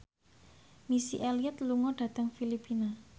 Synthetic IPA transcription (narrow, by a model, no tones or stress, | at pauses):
misiʔɛliət̪luŋɔɖ̥ä̤t̪əŋfilipina